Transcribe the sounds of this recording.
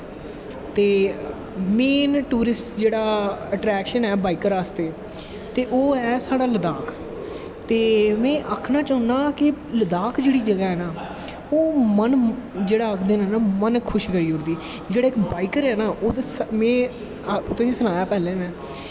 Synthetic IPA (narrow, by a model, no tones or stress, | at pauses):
t̪eː | meːnʈuːɾɪsʈd͡ʒeːɽaːəʈɾɛːkʃənɛːbaːiːkəɾaːst̪eː | t̪eːʔoːɛːsaːɽaːləd̪aːkʰ | t̪eːmɛ̃ːʔəkʰnãːt͡ʃəɦʊnaːkɪləd̪aːkʰd͡ʒeːɽiːd͡ʒəɡaːɦɛːnaː | oːmənd͡ʒeːɽaːəkʰd̪eːnɛːnaːmənkʰːʊʃkəɾiːɦʊɾd̪iː | d͡ʒeːɽaːɪkbaːiːkəɾɛːnaːʔoːd̪esmɛ̃ː | t̪ʊsĩːsənaːjaːpɛːlẽːʋɛ̃ː